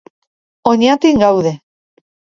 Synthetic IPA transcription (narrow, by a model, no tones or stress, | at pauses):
oɲat̪iŋɡawðe̞